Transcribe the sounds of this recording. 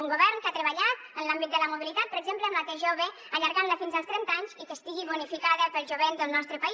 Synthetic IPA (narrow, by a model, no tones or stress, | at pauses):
uŋɡuβɛrnkat̪ɾəβəʎat̪ənlambit̪d̪ələmuβilit̪at̪̚pəɾəɡzempləmat̪eʒoβə | əʎəɾɣanləfinzəlˠst̪ɾɛnt̪aɲzikəst̪iɣiβunifikaðəpəlˠʒuβend̪əlˠnɔst̪ɾəpəi